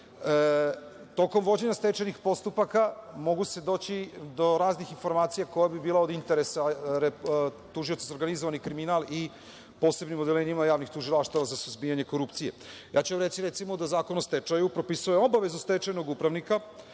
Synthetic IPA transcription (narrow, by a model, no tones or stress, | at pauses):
t̪o̞ko̞mʋo̞d͡ʑe̞ɲast̪et͡ʃajnixpo̞st̪upakamo̞ɡuse̞d̪o̞ːt͡ɕid̪o̞ɾaːznixinfo̞ɾmaːt̪sijako̞jabibiːlˠao̞d̪int̪e̞ɾesaɾe | t̪uʒio̞t̪sazo̞ɾɡanizoʋanikɾiminalˠi | po̞ːse̞bnimod̪eleːɲimajaːʋnixt̪uʒilˠaʃt̪aʋazasuzbijaɲe̞ko̞ɾupt̪sijḛja̰ːt͡ɕuʋamɾet̪siɾet̪simod̪azaːko̞nost̪et͡ʃajupɾo̞pisueo̞baʋe̞zust̪et͡ʃajnoɡupɾaʋnika